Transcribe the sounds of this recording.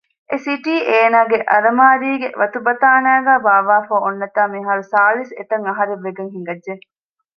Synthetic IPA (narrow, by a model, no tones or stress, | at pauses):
ʔesiʈiːʔeːnaːɡeʔɐɾɐmaːɾiːɡeʋɐt̪ubɐt̪aːnæːɡæːbaːʋaːfoːonːɐt̪aːmiɦaːɾusaːlisḛt̪ɐŋɐɦɐɾeʋːeɡeŋɦiŋ̆ɡɐdʒe